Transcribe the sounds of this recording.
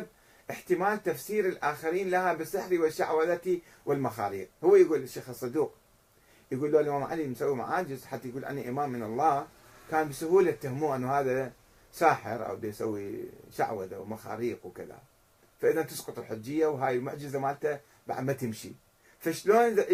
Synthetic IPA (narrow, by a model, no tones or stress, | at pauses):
b̚ | ʔɪħt̪ɪmaːlt̪afsiːɾɪlʔaːxaɾiːnlahabɪsɪħɾiwɪʃaʕwaðat̪i | wɪlmaxa̰ːɾiːq̚hʊwːajɡuːlɪʃːeːxɨsˤːɑd̪uːq | jɡuːlːoːlʔɪmaːmʕa̰limnsawːima̰ʕaːd͡ʒɪzħat̪ːajɡuːlʔa̰nːiʔɪmaːmːɪnɑlˤːɑː | kaːnbɪsʊhuːlat̪ːahmuːʔanːhaːða | saːħɪɾʔa̰wd̪ajsawːiʃa̰ʕwad̪awmaxa̰ːɾiːqwkɪða̰ | faʔɪðant̪ɨsqʊt̪ˤɨlħʊd͡ʒːɪjːawɦaːjɪlmʊʕd͡ʒɪzamaːlt̪a | ba̰ʕd̪mat̪ɪmʃḭ | faʃloːn